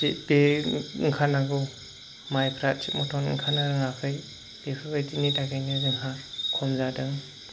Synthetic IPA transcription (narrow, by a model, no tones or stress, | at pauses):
sit̚beŋkʰanaɡɯ | majpʰɾat̚t͡ʃit̚mɔtʰɔn̰ŋkʰanaɾɯŋakʰɯj | b̥epʰɯbajtinitakajnɯzɯŋɦakʰɔmzadɯŋ